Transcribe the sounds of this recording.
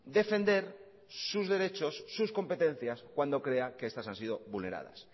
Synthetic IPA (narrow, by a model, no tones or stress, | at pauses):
d̪e̞fe̞nd̪e̞ɾ | suzðe̞ɾe̞t͡ʃo̞sːusko̞mpe̞t̪e̞n̟θjaskwand̪o̞kɾe̞akeest̪asansið̞o̞βulne̞ɾa̰ð̞a̰s